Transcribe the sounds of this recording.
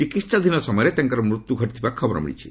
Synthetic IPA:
t͡ʃikit̪sad̪ʱinɔsɔmɔjɾet̪aŋkɔɾɔmɾut̪ːjuɡʱɔʈit̪ʰibakʰɔbɔɾɔ̰mḭɽḭt͡ʃʰi̥

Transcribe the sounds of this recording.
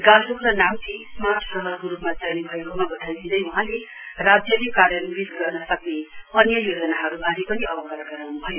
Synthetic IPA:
ɡãlɾokranamtʰismarʈsʌɦʌrkoɾupmat͡sajnibʱʌjekomabʌt̪ʰajbʱid̪ʌjwʌɦãle | rad͡zjʌlekaɾjʌnbisɡʌrnʌsʌkneʌnjʌjod͡zʌnaɦʌɾubʱaɾipʌniʌbʌkʌɾaɡʌɾawnubʱʌjo

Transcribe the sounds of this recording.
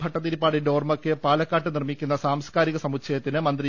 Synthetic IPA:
bʱɐʈːɐðiɾipːaːɽindeoːrmɐkːɨpaːlɐkːaːʈːɨnirmikʲːun̪ːɐsaːmskaːɾiɣɐsɐmukt͡ɕʰɐjɐt̪ːinɨmɐnd̪ri

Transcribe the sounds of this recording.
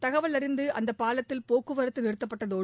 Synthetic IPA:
t̪ɐɣɐʋɐɭɐɾɪnd̪ɯʔɐnd̪ɐpaːlɐt̪ːɪlpoːkɯʋɐɾɐt̪ːɯnɪɾɯt̪ːɐpːɐʈːɐðoː

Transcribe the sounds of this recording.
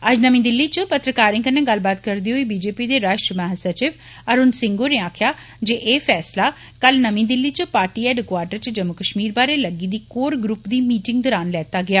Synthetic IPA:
əd͡ʒnəmĩːd̪ɪlːiːt͡ʃəpət̪ɾəkaːɾɪ̃ːŋkənːẽːɡəlbaːt̪kəɾd̪iːɦoiːbiːd͡ʒeːpiːd̪eːɾaːʃʈɾəmaːɦəsət͡ʃɪʋ | əɾʊːnsɪ̃ŋɡoːneːaːkʰjaː | d͡ʒeːʔeːfʰɛːslaː | kəlnəmĩːd̪ɪlːiːt͡ʃəpaːɾʈiːɛːɖəkwaːɾʈəɾt͡ʃəd͡ʒəmːʊkəʃmiːɾbaːɾeːləɡiːd̪iːkoːɾɡɾʊpd̪iːmiːʈɪ̃ŋɡd̪ɔːɾaːnlɛːt̪aːɡɪjaː

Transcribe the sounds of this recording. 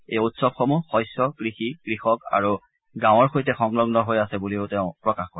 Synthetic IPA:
ejutsɔb̚xɔmuxɔjsɔkɹixikɹixɔka̰ɹu | ɡãw̃ɔɹxojtɛxɔŋlɔɡnɔɦojasɛbuliʊtɛʊ̃pɹɔkaxkɔɹ

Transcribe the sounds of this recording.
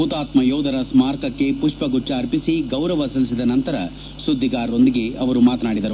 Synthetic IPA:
ut̪aːt̪mɐjɔːwd̪ɐɾɐsmaːɾkɐkːe̞puʂpɐɡuʈːɐːɾpisiɡɐwɾɐʋɐsɐlisid̪ɐnɐnt̪ɐɾɐ | sud̪ʱːiɡaːɾo̞nd̪iɡe̞ɐʋɐɾumaːt̪ɐnaːɽid̪ɐɾu

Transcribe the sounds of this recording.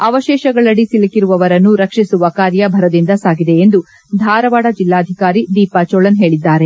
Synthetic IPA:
ɐʋɐʃɛːʃɐɡɐɭɐɽisilɐkiɾuʋɐʋɐɾɐnːuɾɐkʂisuʋɐkaːɾjɐbʱɐɾɐd̪ind̪ɐsaːɡid̪e̞ːnd̪u | d̪ʱaːɾɐʋaːɽɐd͡ʒilːaːd̪ʱikaːɾid̪iːpɐt͡ʃoɭɐnɦe̞ːɭid̪ːaːɾe̞

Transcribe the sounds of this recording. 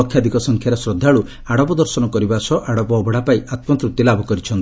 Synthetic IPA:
ɔkʰːjad̪ʱikɔsɔŋkʰjaɾesɾɔd̪ʱːaɭu | aɽɔpɔd̪ɔɾsɔnɔkɔɾibasɔʔaɽɔpɔːbʱɔɽapaiat̪mɔt̪ɾut̪ːilabʱɔkɔɾit͡ʃʰɔnt̪i

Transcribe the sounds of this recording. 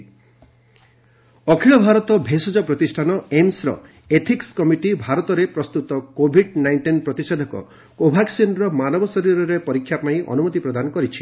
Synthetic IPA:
ɔkʰiɭɔbʱaɾɔt̪ɔbʱesɔd͡ʒɔpɾɔt̪isʈʰanɔemsɾɔ̰ | et̪ʰikskɔmiʈibʱaɾɔt̪ɔɾepɾɔst̪ut̪ɔkobʱiɖnajɳʈinpɾɔt̪ised̪ʱɔkɔ̰ | kobʱaɡsenɾɔmanɔbɔsɔɾiɾɔɾepɔɾikʰːjapaĩʔɔ̰numɔt̪ipɾɔd̪anɔkɔɾit͡ʃʰi̥

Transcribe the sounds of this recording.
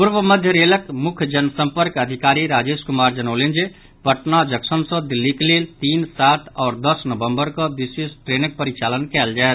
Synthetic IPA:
puɾʋəməd̪ʱjəɾeləkmukʰd͡ʒənsəmpəɾkəd̪ʱikaɾiɾad͡ʒeskumaɾd͡ʒənəʊlend͡ʒe | bʱəʈnad͡ʒəksənsə̃d̪ilːikelelt̪insat̪ʰɔːɾd̪əsnəbəmbəɾkəb̪isisʈɾenək̚pəɾit͡ʃalənkɛld͡ʒaɛt̪

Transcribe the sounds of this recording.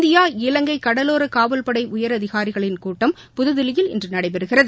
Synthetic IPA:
d̪ɪjaːɪlɐŋɡɐɪkːɐɽɐloːɾɯkaːʋɐlpɐɽɐɪʊjɐɾɐðɪɣaːɾɪɣɐɭɪnkuːʈːɐm | pʊðɯðɪlɪjɪlɪ̰ndrɯnɐɽɐɪpɛɾɯɣɪrɐðɯ

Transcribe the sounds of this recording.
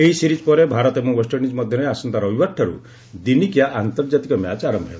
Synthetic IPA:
eɦisiɾid͡ʒpɔɾebʱaɾɔt̪emuwɔsʈɔnid͡ʒmɔd̪ʱjɔneasɔnt̪aɾɔbibaʈʰːaɾṵ | d̪inikjaʔant̪ɔɾd͡ʒat̪ikɔmjat͡ʃaɾɔmbʱɦebɔ

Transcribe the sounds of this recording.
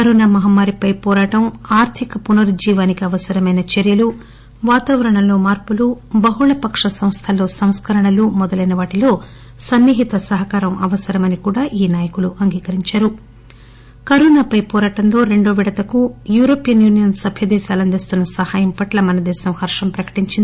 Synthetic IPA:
kɐɾoːnaːmɐɦɐmːaːɾipɐjpɔːɾaːʈɐmaːɾt̪ʰikɐpunɐɾd͡ʒiːʋaːnikiɐʋɐsɐɾɐmɐjnɐt͡ʃeɾjɐlu | ʋaːt̪aːʋɐɾɐɳɐlo̞ːmaːɾpulubɐɦuɭɐpɐkʂɐsɐmst̪ʰɐlo̞ːsɐmskʰɐɾɐɳɐlumɔd̪ɐlɐjnɐʋaːʈilo̞ː | sɐnːiɦit̪ɐsɐɦɐkaːɾɐmʔɐ̰ʋɐsɐɾɐmɐnikuːɽaːʔiːnaːjɐkuluʔɐŋɡiːkɐɾiɲt͡ʃaːɾu | kɐɾoːnaːpɐjpɔːɾaːʈɐmlo̞ːɾe̞ɳɖo̞ːʋiɽɐt̪ɐkujuːɾoːpijɐnjuːnijɐnsɐbʱjɐd̪ɛːʃaːlɐnd̪est̪unːɐsɐhaːjɐmpɐʈlɐmɐnɐd̪ɛːsɐmhɐɾʂɐmpɾɐkɐ̥ʈiɲt͡ʃind̪i

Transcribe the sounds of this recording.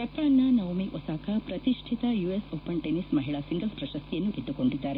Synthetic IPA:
kɐp̪ːaːnːɐnɐwmiʔɔsaːkɐpɾɐt̪iʂʈʰit̪ɐjuesoːpɐnʈenismɐɦiɭasiŋɡɐlspɾɐʃɐst̪ijɐnːuɡid̪ːukoɳɖid̪ːaːɾe

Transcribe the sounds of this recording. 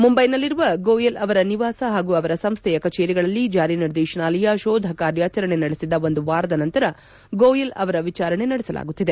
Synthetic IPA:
mumbɐjnɐlːiɾuʋɐɡoːjelɐʋɐɾɐniʋaːsɐɦaːɡuːɐʋɐɾɐsɐmst̪ʰɛjɐkɐt͡ʃeːɾiɡɐɭɐlːid͡ʒaːɾiniɾd̪ɛːʃɐɳaːlɐjaʃoːd̪ʱɐkaːɾjaːt͡ʃɐɾɐɳe̞nɐɽesid̪ɐo̞nd̪uʋaːɾɐd̪ɐnɐnt̪ɐɾɐ | ɡoːjelɐʋɐɾɐʋit͡ʃaːɾɐɳe̞nɐɽesɐla̰ːɡut̪ːid̪e

